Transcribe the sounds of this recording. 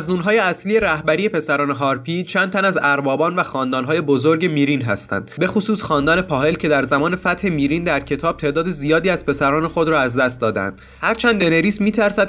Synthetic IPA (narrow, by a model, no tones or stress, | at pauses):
znuːnɦɒːje̞æsliːjeɾæhbæɾije̞pe̞sæɾɒːne̞ɦɒːɾpiːt͡ʃʰænt̪ænæzæɾbɒːbɒːnvæxɒːnd̪ɒːnɦɒːje̞bozoɾɟe̞miːɾinɦæ̰st̪æ̰nd̪be̞xosuːsxɒːnd̪ɒːne̞pʰɒːhe̞lcʰe̞d̪æɾzæmɒːne̞fæt̪he̞miːɾind̪æɾcʰe̞t̪ʰɒːb̥̚t̪ʰe̞ːd̪ɒːd̪ezijɒːd̪iːæz̥pʰe̞sæɾɒːne̞xo̞d̪ɾɒːæzd̪æst̪̚d̪ɒːd̪æ̰nd̪̥ | hæɾt͡ʃʰænd̪ːe̞neɾiːsmiːt̪ʰæɾsæd̪̚